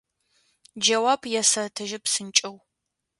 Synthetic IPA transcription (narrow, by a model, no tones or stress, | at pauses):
d͡ʒɐwabjɛsɐtʰɨʒɪpsɨnt͡ʃʼɐw